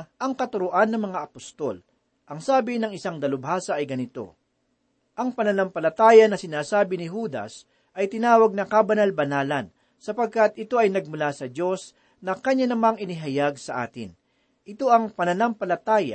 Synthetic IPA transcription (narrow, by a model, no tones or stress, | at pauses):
ʔɐŋkɐt̪ʊɾʊʔanːɐŋmɐŋaʔɐpost̪o̰l | ʔɐŋsaːbɪnɐŋɪsaŋd̪ɐlʊbhaːsɐʔɐjɡɐnɪt̪o̞̰ | ʔɐŋpɐnɐnampɐlɐt̪aːjɐnɐsɪnaːsaːbɪnɪɦuːd̪ɐ̰s | ʔɐjt̪ɪnaːwɐɡ̚nɐkɐbɐnalbɐnaːlɐn | sɐpɐɡ̚kat̪ʔɪt̪o̞ʔɐjnɐɡ̚mʊlasɐd͡ʒo̞s | nɐkɐɲːanɐmaŋɪnɪɦɐjaɡ̚sɐʔa̰ːt̪ɪ̰n | ʔɪt̪o̞ʔɐŋpɐnɐnampɐlɐt̪aːja̰